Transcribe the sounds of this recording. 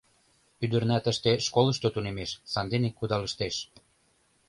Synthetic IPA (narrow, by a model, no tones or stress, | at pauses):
yd̪ə̆rnæt̪ə̆ʃt̪eʃkolə̆ʃt̪ot̪unemeʃsɑnd̪enekːud̪ɑləʃt̪eʃ